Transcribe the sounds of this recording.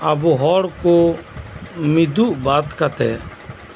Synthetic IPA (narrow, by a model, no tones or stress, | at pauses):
abuɦɔːɽko | mid̪uʔbaːt̪kat̪ɛː